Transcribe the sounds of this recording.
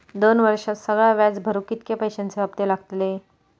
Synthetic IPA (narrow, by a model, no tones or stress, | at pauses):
d̪onʋəɾʂat̪səɡɭaʋjad͡zbʱəɾuːkit̪kepəjɕant͡seʋabt̪elaɡt̪le